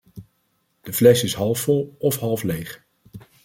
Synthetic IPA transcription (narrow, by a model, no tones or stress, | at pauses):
d̥əvlɛsɪsɦɑlˠfːɔlˠɔfɦɑlˠflejχ